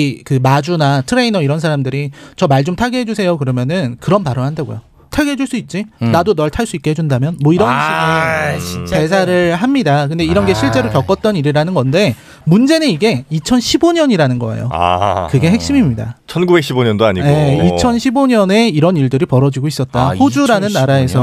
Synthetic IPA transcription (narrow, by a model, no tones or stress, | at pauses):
ikɯmad͡ʑunatʰɯɾe̞inʌiɾʌns̬ʰaɾamdɯɾit͡ɕʌmaɭd͡ʑomtʰaɡeɦe̞d͡ʑusʰe̞jokɯɾʌmjʌnɯnkɯɾʌnpaɾʌhandaɡo̰jo | tʰaɡeɦed͡ʑuɭs͈uit̚t͡ɕ͈inadonʌɭtʰaɭs͈uik͈e̞he̞d͡ʑundamjʌnmwʌiɾʌnɕʰi | it͡ɕe̞sʰaɾɯɭɦamɲidakɯnde̞iɾʌnɡe̞ɕʰiɭt͡ɕ͈e̞ɾokjʌk͈ʌt̚t͈ʌniɾiɾanɯnɡʌnde̞ | mund͡ʑe̞nɯniɡe̞it͡ɕʰʌnɕʰiboɲʌɲiɾanɯnɡʌa̰jo̰a̰kɯɡe̞ɦe̞k̚ɕ͈imimɲida̰t͡ɕʰʌnɡubek̚ɕ͈ʰiboɲʌndoa̰ɲije̞it͡ɕʰʌnɕʰiboɲʌne̞iɾʌniɭdɯɾipʌɾʌd͡ʑiɡois͈ʌt̚t͈aɸod͡ʑuɾanɯnːaɾae̞sʰʌ